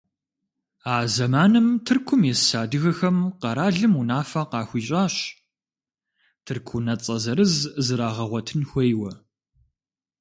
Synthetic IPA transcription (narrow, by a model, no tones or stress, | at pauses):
aːzɐmaːnɨmtʰɨrkʷʰʊmjɛssaːdɨɣɐxɐmqɐɾaːɮɨmunaːfɐqɑːxʷiːɕʼaːɕ | tʰɨrkʷʰʊnɐt͡sʼɐzɐɾɨzzɨɾaːʁɐʁʷɔtʰɨnxʷejwɐ